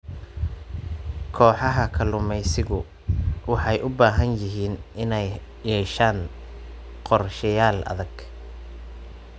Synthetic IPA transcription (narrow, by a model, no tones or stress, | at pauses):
kʰɔːħɑɦɐkʰɐlʊmɛjsɪɣʊ | wɑħɑjʔʊbaːɦɐnjɪɦiːnʔɪnɛj | jɛːʃaːn | qɔrʃɐjaːlʔɐ̰ðɐɡ̥